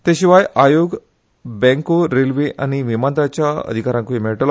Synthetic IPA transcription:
t̪ẽɕiʋajajoɡ | bɛ̃ŋkoɾelʋeʔa̰ñiʋimand̪ɾat͡ɕjaə̰d̪ʱikaɾãŋkoimeʈəl

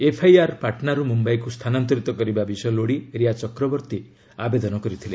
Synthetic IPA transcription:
epʰajaɾpaʈnaɾumumbajkust̪ʰanant̪ɔɾit̪ɔkɔɾibabisɔjɔloɽiɾiat͡ʃɔkɾɔbɔɾt̪i | abed̪ɔnɔkɔɾit̪ʰile

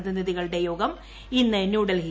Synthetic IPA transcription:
ðiniðiɣɐɭɨɽe̞jo̞ːɡɐm | inːɨnjuːɽɐlɦi

